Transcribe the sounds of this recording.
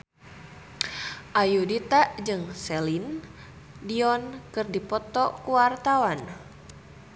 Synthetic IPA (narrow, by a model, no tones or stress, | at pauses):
ʔajudit̪aʔd͡ʒɨŋsɛlin | diɔnkɨrdipɔt̪ɔkuwart̪awan